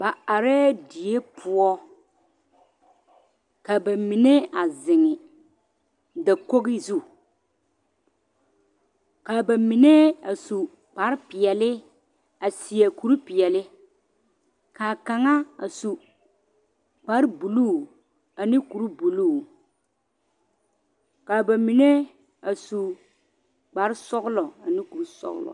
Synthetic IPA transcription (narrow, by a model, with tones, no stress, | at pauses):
ba˨a˨ɾɛ˦di˨e˦pʰʊ˦ɔ˦ | ka˨ba˨mi˨ne˦a˨zɪ˨ŋɪ˨ | da˨ko˦ɣɪ˦zu˦˨ | ka˨ba˨mi˨ne˦a˨su˨ | k͡pa˨˦ɾpɪ˨ɛ˨lɪ˦ | a˨si˨a˨ku˨ɾu˦pi˨jɛ˨lɪ˦ | kaː˨ka˨ŋa˦a̰˨su˨ | k͡pa˨˦ɾbu˨luː˦˨ | a˨ni˦ku˨ɾu˦bu˨lu˦˨ | ka˨ba˨mi˨ne˦ | a˨su˨ | k͡pa˨˦ɾsɔ˦ɡlɔ˨a˨ni˦ku˨ɾu˦sɔ̰˦ɣ̰lɔ̰˨